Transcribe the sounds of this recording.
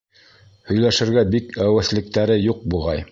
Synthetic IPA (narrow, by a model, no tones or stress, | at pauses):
hɵ̆jlæʃɘ̆ɾɡæbikæwæ̆θlɘ̆k̚t̪æɾɘjuq̚buʁɑj